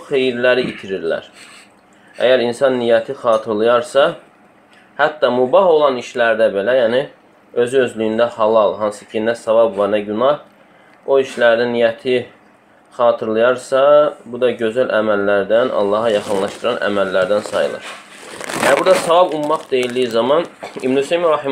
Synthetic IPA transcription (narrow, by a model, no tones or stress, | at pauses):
χejiɾlæɾiit̪ʰiɾiɾlæ̰ɾ | æ̰jæɾinsɑnːijæt̪ʰiχɑːt̪ʰɯɾlˠɯjɑɾsɑ | hæt̪ːɑmubɑɦo̞lˠɑniʃlæɾd̪æbe̞læjæːni | ø̞zyø̞zlyjynd̪æhɑlˠɑlˠɦɑnsɯ̥cʰinæsɑvɑbvɑɾnæɟynɑh | o̞iʃlæɾd̪ænijæt̪ʰi | χɑːt̪ʰɯɾlˠɯjɑɾsɑbud̪ɑɟø̞zælʔæmælːæɾd̪ænʔɑ̰lˠːɑɦɑjɑχɯnlˠɑʃt̪ɯɾɑnʔæ̰mælːæɾd̪ænsɑjɯ̰lˠɯ̰ɾ | ææɾbuɾd̪ɑsɑvɑbumːɑχd̪e̞jild̪ijizɑmɑnḭbnyseimɾɑh